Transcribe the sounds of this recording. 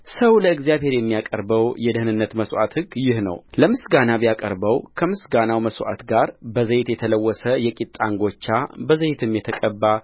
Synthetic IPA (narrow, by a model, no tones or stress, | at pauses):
səwləɨɡzijaβhe̞ɾjɛmːijakʼə̰ɾbəwjɛd̪əhnɨnːət̪məsʔa̰t̪hɨɡjɪhnə̰wləmɨsɡanabjakʼə̰ɾbəwkʰəmɨsɡanawməswʔa̰t̪ɡaɾbəzəjɪt̪jɛt̪ʰələwːɔsəjɛkʼit̪ʼːaŋɡo̞t͡ʃːabəzəjt̪ʰɨmjɛt̪ʰəkʼəbːa